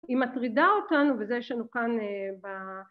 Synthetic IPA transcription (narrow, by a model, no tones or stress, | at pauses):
imatʁidaotanuvezejeʃlanukaneba